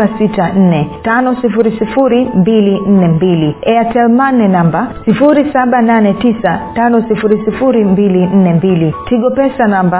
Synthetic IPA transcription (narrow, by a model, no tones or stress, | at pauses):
asitan̩nɛtanɔsifuɾisifuɾimbilin̩nɛmbiliɛatɛlmanɛnambasifuɾisaɓananɛtisatanɔsifuɾisifuɾimbilin̩nɛmbilitʰiɠɔpɛsanamba